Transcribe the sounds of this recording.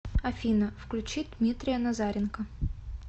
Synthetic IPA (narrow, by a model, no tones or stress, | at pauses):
ɐfʲinəfklʲʉt͡ɕit̪̚ʲd̪mʲit̪ɾʲɪjənɐzaɾʲɪnkə